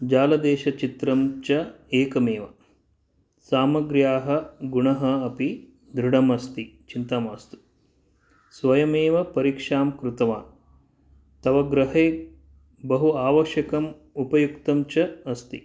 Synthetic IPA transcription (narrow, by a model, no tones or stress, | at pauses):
d͡ʒaːlɐd̪eːʃɐt͡ʃit̪ɾɐmt͡ʃɐ | eːkɐmeːʋɐ | saːmɐɡɾjaːɦɐ̆ɡuɳɐɦɐɐpi | d̪ɾuɽɐmɐst̪it͡ʃint̪aːmaːst̪u̥ | sʋɐjɐmeːʋɐpɐɾikʂaːmkɾut̪ɐʋaːn | t̪ɐʋɐɡɾɐɦeː | bɐɦuaːʋɐʃjɐkɐm | upɐjukt̪ɐmt͡ʃɐɐst̪i